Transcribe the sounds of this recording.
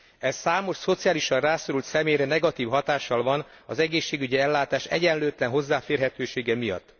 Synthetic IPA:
ɛssaːmo̞ʃso̞t̪sijaːliʃɒrraːso̞ɾult̪sɛmeːjɾɛnɛɡɒt̪iːvɦɒt̪aːʃːɒlvɒnɒzɛɡeːʃːeːɡyɟiɛlːaːt̪aːʃɛ̰ɟɛnløːt̪lɛnɦo̞zːaːfeːrɦɛt̪øːʃeːɡɛmijɒ̰t̪ː

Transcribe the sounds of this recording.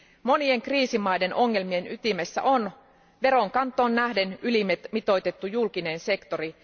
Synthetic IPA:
mo̞nie̞ŋkriːsimɑjde̞nʔo̞ŋːe̞lmie̞nyt̪imesːæ̰ʔon | ʋe̞ɾo̞ŋkɑnt̪ːˑo̞ːnːæhde̞nylimmit̪o̞jt̪e̞t̪ːujulkine̞ːnse̞kt̪o̞ɾi

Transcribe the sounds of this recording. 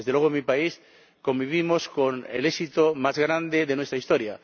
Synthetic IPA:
ezðelwe̞ɣomipais | kõ̞mbiβ̞imoskonḛlesit̪omazɣɾand̪eðenwest̪ɾaist̪oɾja

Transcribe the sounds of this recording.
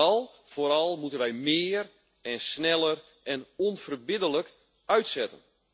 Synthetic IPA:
ɑlˠ | foɾɑlˠmutənʋɛjmɪər | ɛnsnɛlˠər | ɛnɔnfərbɪdələk | œɥtsɛtə̰n

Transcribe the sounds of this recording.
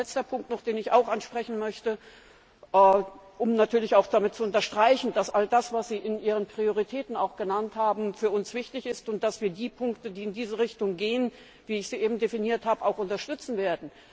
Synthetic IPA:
lɛt͡stɐpʰʊŋk̚tnɔχd̥eːnɪçaʊxʔanʃpʁ̥ɛçn̩mœçtə | ʔɛːʔʊmnatʰyːɐlɪçaʊxd̥amɪt̚t͡suʊntɐʃtʁ̥aɪçn̩d̥asʔaldasv̥asz̥iːʔɪnʔiːʁ̞ənpʁ̥ioʁ̞itʰɛːtn̩aʊxɡ̥ənanthaːbm̩fyːɐʊnsv̥ɪçtɪçɪstʊnt̚d̥asv̥iːɐdiːpʰʊŋktədiːɪndiːzəʁɪçtʊŋɡeːən | viːɪçz̥iːʔeːbm̩definiːɐthaːbəaʊxʊntɐʃtʏt͡sn̩veːɐdn̩

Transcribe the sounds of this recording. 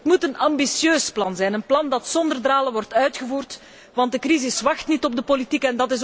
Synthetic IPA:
ətmutənɑmbisjøːsplɑnzɛjnənplɑndɑtsɔndərdraːləʋɔrtœɥtxəvuːrt | ʋɑnt̚dəkrizɪsʋɑxtnitɔb̚dəpolitikɛndɑtɪs

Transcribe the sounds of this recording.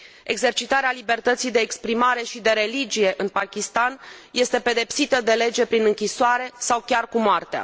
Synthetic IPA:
e̞ɡze̞rt͡ʃit̪aɾealibe̞rt̪ət̪sijd̪e̞ːkspɾimaɾe̞ʃid̪e̞ɾe̞lid͡ʒije̞ʔɨnpakʲist̪anje̞st̪e̞pe̞d̪e̞psit̪əd̪e̞le̞d͡ʒe̞pɾinɨŋkʲisoaɾe̞sawkʲarkumoart̪ea̰

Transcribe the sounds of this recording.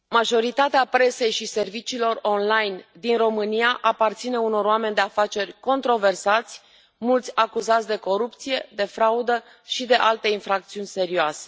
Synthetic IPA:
maʒo̞ɾit̪at̪eapɾe̞se̞jʃise̞rvit͡ʃiːlo̞ro̞nlajnd̪inro̞mɨnijaʔapart̪sine̞uno̞ɾoame̞nʲd̪e̞afat͡ʃe̞rʲko̞nt̪ɾo̞ve̞rsat̪sʲ | mult̪sʲakuzat̪sʲd̪e̞ko̞ɾup̚t̪sije̞d̪e̞fɾaud̪ə | ʃid̪e̞ʔalt̪e̞infɾakt̪siunʲse̞ɾioase

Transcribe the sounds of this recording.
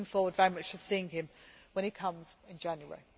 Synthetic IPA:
ɪ̃ŋfɔːwədvɛɹimʌt͡ʃtʰə̥siːɪ̃ŋɪ̃mwə̃nɪkʰʌ̃mz̥ɪ̃nd͡ʒæ̃njuə̰ɹi

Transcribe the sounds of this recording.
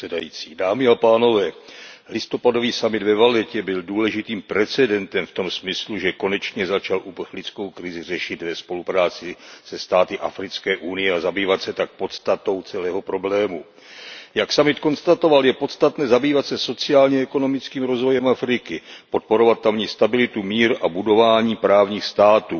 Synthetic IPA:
dajḭːt͡siːdaːmɪapaːno̞vɛː | lɪst̪o̞pado̞viːsamɪd̪vɛvalɛcɛbɪlduːlɛʒɪt̪iːmpɾɛt͡sɛdɛnt̪ɛmft̪o̞msmɪsluʒɛko̞nɛt͡ʃɲɛzat͡ʃalʔupr̩xlɪt͡sko̞wkɾɪzɪr̝ɛʃɪt̪vɛspo̞lupɾaːt͡sɪsɛst̪aːt̪ɪʔa̰fɾɪt͡skɛːʔunɪjɛazabiːvat̪sɛt̪ak̚po̞t̪st̪at̪o̞wt͡sɛlɛːɦo̞pɾo̞blɛːmu | jaksamɪt̪ko̞nst̪at̪o̞valjɛpo̞t̪st̪at̪nɛːzabiːvat̪sɛso̞t͡sɪaːlɲɛɛko̞no̞mɪt͡skiːmɾo̞zvo̞jɛmʔafɾɪkɪpo̞t̪̚po̞ɾo̞vat̪ːamɲɛst̪abɪlɪt̪umiːɾabudo̞vaːɲiːpɾaːvɲiːxst̪aːt̪uː

